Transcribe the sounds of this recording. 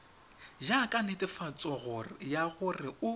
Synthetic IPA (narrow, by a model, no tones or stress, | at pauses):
d͡ʒakʼanɪtʼɪfat͡sʼɔɣʊjaɣʊrɪʊ